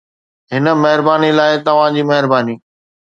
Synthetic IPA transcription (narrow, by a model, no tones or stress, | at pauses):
ɦɪnə̆mɐɦɪɾbaːnilaːɪt̪ɐʋ̤ãd͡ʑiːmɐɦɪɾbaːniː